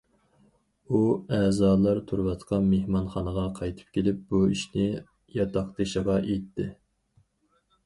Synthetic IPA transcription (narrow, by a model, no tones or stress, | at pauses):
uæːzɑːlˠɑɾt̪ʰuɾwɑt̪qʰɑmehmɑnχɑnəʁɑqʰɑjt̪ʰɨ̥p̚kʲʰelɪp̚buiʃnɪ | jɑt̪ʰɑqt̪ɨʃəʁɑʔejt̪ʰːɪ